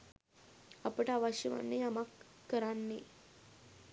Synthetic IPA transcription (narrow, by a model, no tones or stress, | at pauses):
apəʈaʋaɕəʋa̰nːeamakːəɾanːe